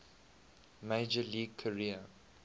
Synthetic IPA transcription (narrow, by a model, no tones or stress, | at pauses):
meɪd͡ʒəliːɡ̚kʰəɹiə